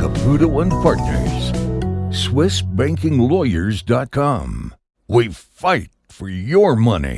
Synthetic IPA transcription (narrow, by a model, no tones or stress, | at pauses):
kəpʰʉɾoʊə̃npʰɑɹtⁿnə̰˞z̥swɪsb̥æ̃ŋkɪ̃ŋlɔɪə˞zdɑt̚kʰɑ̃m | wifaɪt̚fə˞jə˞mʌnḭ